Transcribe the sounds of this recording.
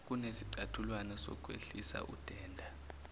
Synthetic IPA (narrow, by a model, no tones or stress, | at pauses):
k̬ʼunesiǀatʰulwanasɔ̰k̬ʼwḛɬisa̰ʔṵd̥ʱɛːndʱa